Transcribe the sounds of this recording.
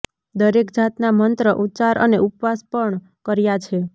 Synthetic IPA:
d̪əɾekd͡ʒat̪namənt̪ɾəʔut̪ːt͡ʃaɾə̰neʔupʋaspəɳ | kəɾjat͡ʃʰe

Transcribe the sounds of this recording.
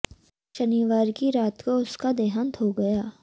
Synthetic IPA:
ʃɐniʋaːɾkiɾaːt̪koʊskad̪eːɦənt̪ʰɦoɡɐjaː

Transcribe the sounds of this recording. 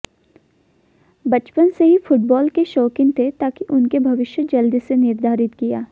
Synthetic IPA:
bɐt͡ʃpənseɦifʊʈ̚bɔːlkeʃoːkɪ̃ŋɡ̚t̪ʰet̪aːkiʔʊnkebʱɐʋɪʃjəd͡ʒɐld̪isenɪɾd̪ʱaːɾɪt̪kija̰ː

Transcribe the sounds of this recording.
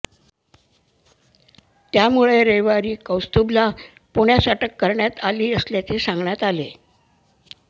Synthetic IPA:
t̪jamuɭeɾejʋaɾiːkəwst̪ubla | puɳjasaʈəkːəɾɳjat̪aliːəsljat͡sesãŋɡɳjat̪ale

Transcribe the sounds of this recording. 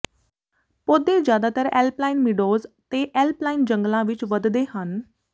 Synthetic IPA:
pod̪ed͡ʑjad̪at̪əɾɛ̰lplainmiɖozt̪eʔɛlplaind͡ʑəŋɡlãʋit͡ɕʋəd̪d̪eɦan

